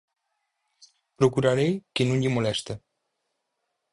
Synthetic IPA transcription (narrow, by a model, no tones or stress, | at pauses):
pɾokuɾaɾejkenũɲʎimolɛst̪e